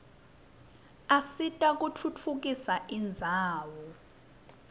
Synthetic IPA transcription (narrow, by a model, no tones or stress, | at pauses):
asitʼak̬ʼut͡fʰut͡fʰuk̬isaʔind͡zʱaːwɔ